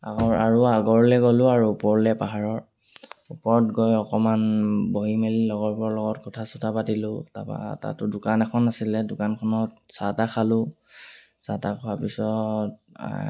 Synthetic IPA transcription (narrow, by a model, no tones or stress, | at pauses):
aɔaɹuaɡɔɹlɛɡɔlʊaɹuːpɔɹlɛpaɦaɹɔɹ | upɔɹɔtɡɔjɔkɔmanboɦimelilɔɡɔɹpɔɔlɔɡɔtkɔtʰasutʰapatilʊta̰pa̰ta̰tʊdʊkanɛkʰɔnasilɛdʊkankʰɔnɔtsatakʰalʊ̃ | satakʰɔapisɔt